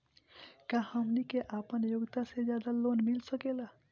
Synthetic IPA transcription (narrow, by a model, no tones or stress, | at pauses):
kãhəmnikeʔapənjoɡt̪ased͡ʒjad̪alonmilsəkela